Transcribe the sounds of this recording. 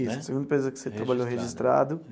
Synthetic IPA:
isʊɐseɡũnd̪ɐpesozɐkɪ̥set̪ɾabaʎoɦeʒist̪ɾa̰d̪ʊ

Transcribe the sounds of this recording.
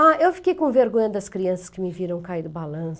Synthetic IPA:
aewfi̥kejkõveɾɡõɲɐd̪ɐskɾiɐ̃sɐskɪmɪviɾɐ̃w̃kaid̪ɪbalɐ̃s

